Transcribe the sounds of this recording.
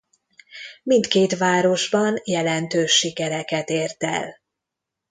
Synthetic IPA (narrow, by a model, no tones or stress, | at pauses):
mint̪keːt̪ʋaːɾo̞ʒbɒnjɛlɛnt̪øːʃːikɛɾɛkɛt̪eːrt̪ɛ̰l